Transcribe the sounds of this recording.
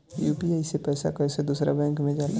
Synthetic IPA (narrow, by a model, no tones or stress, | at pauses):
juːpiaːisepɛːsa̰kɔsed̪uːsɾa̰bɛ̃ːŋkmẽd͡ʒaːl